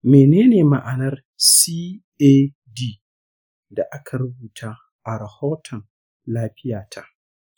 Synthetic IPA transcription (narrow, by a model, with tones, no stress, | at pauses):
meː˨neː˦neː˨ma̰˨ʔa˨nɐ˦r | siː˦ | eː˦ | diː˦ | da˨ʔa˦kʰa˨ɾʊ˦buː˨tʰaː˦ | ʔa˨ɾɐ˨hoː˦tʰɔ˨n | laː˦ɸɪ˦jaː˨tʰa˦ʔ